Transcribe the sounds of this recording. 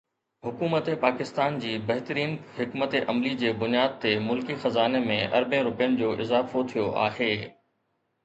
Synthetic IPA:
ɦʊkuːmət̪epaːkɪst̪aːnd͡ʑiːbɐɦɪt̪əɾiːnɦɪkmət̪eʔɐmlid͡ʑeːbʊnijaːd̪̚t̪emʊlkixɐzaːnemẽʔɐ̰ɾbẽɾʊpjənɪ̆d͡ʑoːʔɪzaːfot̪ʰijoʔa̰ːɦeː

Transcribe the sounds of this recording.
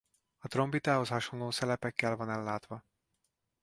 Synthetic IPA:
ɒt̪ro̞mbit̪aːɦo̞shɒʃo̞nloːsɛlɛpɛkːɛlvɒnɛlːaːt̪ʋɒ

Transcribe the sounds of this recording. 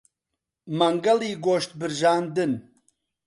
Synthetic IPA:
mɐŋɡɐliːɡoːʃt̪̚bɨɾʒaːnd̪ɨn

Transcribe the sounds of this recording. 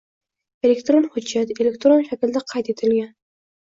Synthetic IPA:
elekt̪ɾonχʊd͡ʒːat̪elek̚t̪ɾonʃækʲɪld̪æqʰɑjt̪ʰet̪ʰɨlɡʲan

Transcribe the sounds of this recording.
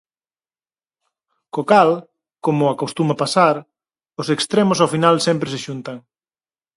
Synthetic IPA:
kokal | komʊakost̪umapasaɾ | ʊsekst̪ɾemʊsawfinalsempɾesɪʃunt̪ɐŋ

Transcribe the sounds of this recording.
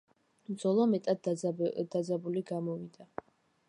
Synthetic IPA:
md̪zɔlˠɔmɛt̪ʼad̪̥ad̪zabuliɡamɔvid̪a

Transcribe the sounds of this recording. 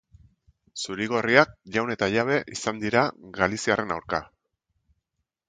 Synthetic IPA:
suɾiɣ̞o̞riak̚ʝawne̞t̪aʎaβ̞e̞ʔisand̪iɾaɣalisiare̞nawɾka

